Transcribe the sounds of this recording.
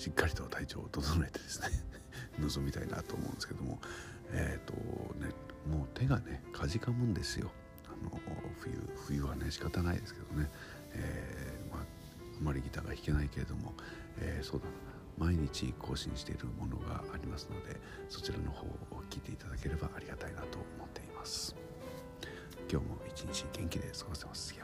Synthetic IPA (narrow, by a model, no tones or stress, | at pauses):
ɕikːaɾʲit̪o̞t̪ʰait͡ɕo̞ːt̪o̞zonoɾe̞t̪e̞d̪̥e̞sɨ̥ne | nozo̞mʲit̪aina̰t̪oːmõ̰ːnd̪eskeed̪o̰mo̞̰ | et̪ːo̞̰nemo̞ːt̪e̞ɡanekʰaʑikamɯ̟̃nd̪e̞sɨjo̞̰ | ano̞̰ɸɯ̟jɯ̟̰ɸɯjɯ̟βane̞ɕi̥kat̪anaḭd̪e̞sɨ̥ke̞d̪̥one̞ | ema | amːaɾʲiɡʲit̪aːɡaçʲi̥kenaike̞ɾe̞d̪o̞mo̞ | eːso̞ːd̪aa | maiɲ̟it͡ɕḭkʰo̞ːɕḭ̃ɕi̥t̪e̞iɾɯ̟mo̞no̞̰ɡa̰ːɾʲimasɨno̞d̪e̞̰ | so̞t͡ɕiɾano̞ho̞̰ːokʲiːt̪e̞it̪ad̪ake̞ɾe̞baʔaɾʲiɡat̪ainat̪o̞̰omot̪ːe̞imasɨ̥ | kʲo̞ːmo̞̰it͡ɕiɲit͡ɕiɡẽ̞ŋkʲid̪e̞sɨɡo̞se̞masja